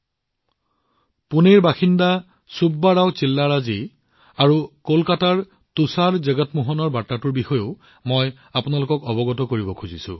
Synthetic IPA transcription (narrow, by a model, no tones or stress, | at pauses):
puneɹbaxinda | subːaɹawt͡ʃilːaɹazi | aɹukolkataɹ | tusaɹzeɡɔtmuɦɔnɔɹbatːatʊɹbixɔjoʊ | moj | apʊnalʊkɔkɔbɔɡɔtɔkoɹibɔkʰuzisʊ̰̃